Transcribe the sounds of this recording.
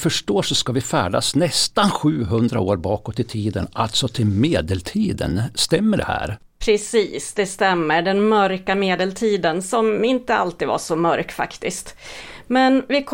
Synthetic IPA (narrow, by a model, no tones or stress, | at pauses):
fœʂʈoːʂɔskavɪfæːɖa̰snɛst̪anɧʉ̟ːɦɵnd̪ɾa̰oːɾbɑːkɔt̪ʰːɪlt̪ʰiːd̪ənʔalt̪sɔt̪ʰɪlmeːd̪əlt̪ʰiːd̪ə̰nst̪ɛmːəɖɛ̰hæ̰ːɾ | pʰɾɛsiːsd̪ɛst̪ɛmːəɖɛnmœɾkameːd̪əlt̪ʰiːd̪ənsɔmɪnt̪əa̰lt̪iːd̪va̰ʂɔmœɾkfa̰kt̪ɪskt̪mɛnvɪkʰ